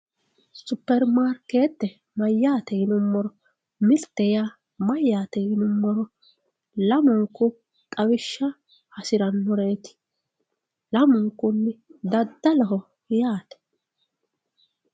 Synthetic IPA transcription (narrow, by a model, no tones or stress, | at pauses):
sʊpːɛɾmaːɾkːeːt̪ːɛ | mɐjːaːt̪ɛhɪnʊmːɔɾɔ | mɪlt̪ːɛjaː | mɐjːaːt̪ɛjɪnʊmːɔɾɔ | lɐmɔŋkːʊ | kʼɐwɪʃːɐ | hɐsɪɾɐnːɔɾeːt̪ɪ̥ | lɐmɔŋkːʊnːɪd̪ɐd̪ːɐlɔɦɔ | ɪjaːt̪ɛ̥